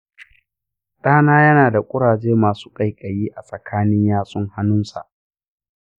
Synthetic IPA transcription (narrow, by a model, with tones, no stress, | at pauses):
ɗʼaː˦naː˦jɐ˦naː˨da˨kʷʼʊ˦ɽaː˨d͡ʒeː˦maː˨su̥ː˦kʼa˦˨jkʼɐ˨jiː˦ʔa˨sʼɐ˨kʰaː˦nɪ˦ɲjaː˦sʼʊ˦ŋha˦nʊ˦nsa̰˨ʔ